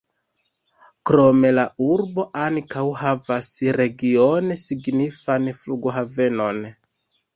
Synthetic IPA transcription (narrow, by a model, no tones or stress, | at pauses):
kɾo̞me̞lauɾbo̞ʔankawhavasɾe̞ɡio̞nesiɡnifanfluɡo̞ɦave̞no̞n